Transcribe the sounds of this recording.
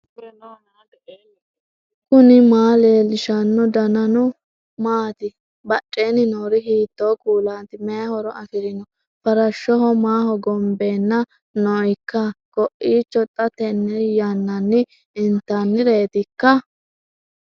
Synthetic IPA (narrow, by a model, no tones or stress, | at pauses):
kʊnɪmaːleːlɪʃɐnːɔd̪ɐnɐnʊ | maːt̪ɪ | bɐt͡ʃʼːeːnɪnoːɾɪhiːt̪ːoːkuːlaːnt̪ɪmɛjɐhɔɾɔʔɐfɪɾɪnɔ | fɐɾɐʃːɔhɔmaːhɔɡɔmbe̞ːnːɐ | nɔjkːɐkɔʔiːt͡ʃːɔt̪ʼːɐt̪ɛnːɛjɐnːɐnːɪ | ɪnt̪ːɐnːɪɾe̞ːt̪ɪkːɐ